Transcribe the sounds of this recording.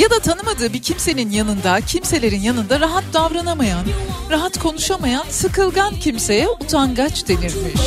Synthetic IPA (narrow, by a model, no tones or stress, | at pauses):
jad̪at̪ʰanɯmad̪ɯːbicʰimse̞ninjanɯnd̪acʰimse̞lʲe̞ɾinjanɯnd̪aɾaɦat̪̚d̪avɾanamajanɾaɦat̪kʰo̞nuʃamajansɯkɯlˠɡancʰimse̞jɛut̪ʰanɡat͡ʃd̪e̞niɾmiʃ